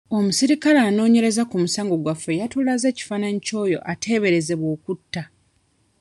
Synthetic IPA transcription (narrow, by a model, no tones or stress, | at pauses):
o̞musiɾikalaːno̞ːɲe̞ɾe̞zakumusaːŋɡo̞ɡwafːe̞jatulaze̞ːci̥faːnanico̞ːjo̞̰ʔatʰe̞ːβe̞ɾe̞ze̞βwo̞ːkutːa